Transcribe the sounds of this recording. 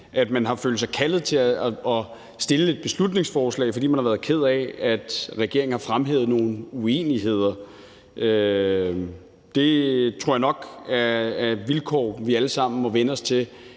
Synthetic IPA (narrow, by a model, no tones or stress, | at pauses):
ʔæd̥mænɦɑ̈fø̰ːldsɑ̈ɪkʰælð̩ˠt͡sʰe̝æɒ̽ | sd̥e̝ləe̝d̥̚b̥e̝slud̥ne̝ŋsfɒːslɛ̰ɪfɒ̽d̥ḭmænhɑʋæɐðˠkʰe̝ð̞̰ˠɛæd̥ʁɛɡ̥e̝ɐ̰ŋ̩hɑ̈fʁamɦḛːʊð̩ˠno̝ːn̩uḛːniɦe̝ð̰ˠɐ | ʔø | d̥e̝t͡sʰʁo̝ɐ̰jɑnɒ̽ɡ̥æʋilkʰɒ̰ːʋiæləsɑ̈m̰n̩mɒ̽ʋenəɒ̽st͡sʰe̝